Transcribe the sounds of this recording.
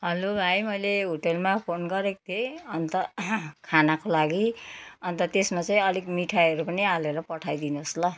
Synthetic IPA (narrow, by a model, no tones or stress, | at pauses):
ɦʌlobʱajmʌjleɦoʈelmapʰonɡʌɾek̚t̪ʰeʌnt̪ʌkʰanakolaɡiʌnt̪ʌt̪esmat͡saĩʌlikmiʈʰaʌɾupʌnialeɾʌpʌʈʰajd̪inoslʌ